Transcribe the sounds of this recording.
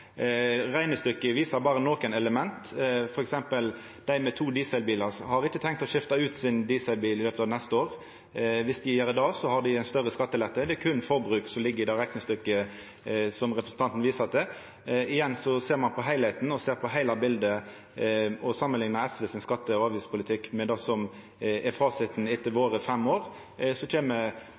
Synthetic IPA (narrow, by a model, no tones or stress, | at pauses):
ʁæɪnəst̪ʏkːəʋiːsɑɾbɑːʁənoːkənɛləmɛnt̪fɔɾɛksɛmpəl | d̪̥æɪmɛt̪ʰuːd̪iːsɛɪlbiːlɑʁhɑɾɪçːət̪ʰɛŋkt̪ɔʃɪft̪ɑʉːt̪sɪnd̪iːsɛɪlbiːlɪløːpət̪ɑʋnɛst̪əoːʁ | ʋɪsd̪ɪjæːɾɪd̪ɑːsɔhɑɖ̪ɪæɪnst̪œʁəskɑt̪ːəlɛt̪ːəd̪ɛkʰʉnfɔbɾʉːksɔmlɪɡːəɪd̪ɑːɾɛknəst̪ʏkːə | sɔmʁɛpɾəsn̩t̪ɑnt̪n̩ʋiːsəɑt̪̚d̪ɛ | ɪjɛnːsɔseːɾmɑnpʰɔɦæɪlhɛɪt̪n̩ɔseːɾpʰɔɦæɪlɑbɪld̪ə | ʔɔsɑmːənlɪŋnɑɛsʋəsɪnskɑt̪ːəɔɑːʋiːspʰʊlɪt̪ʰɪkːmɛd̪ɑsɔm | ɛfɑːsɪt̪nɪt̪ːəʋoːɾəfɛmːoːʁ | sɔt͡ʃʰeːmə